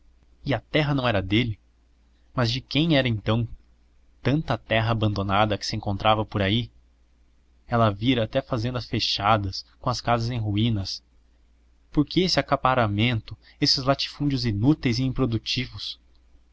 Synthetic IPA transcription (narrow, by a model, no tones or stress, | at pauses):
ɪɐt̪ɛɦɐnɐ̃w̃ɛɾɐd̪elɪ | mɐzd͡ʒɪkẽj̃ɛɾɐẽnt̪ɐ̃w̃ | t̪ɐ̃nt̪ɐt̪ɛɦɐːbɐ̃nd̪onad̪ɐkɪ̥sɪẽŋkõnt̪ɾʔavɐpoɾai | ɛlɐviɾɐːt̪ɛfazẽnd̪ɐsfeʃad̪ɐskõɐskazɐzẽj̃ɦuĩnɐs | poɾkeesɪakapaɾamẽnt̪ʊ | esɪzlat͡ʃi̥fũnd͡ʒʊzinut̪ejzɪĩpɾod̪ut͡ʃivʊs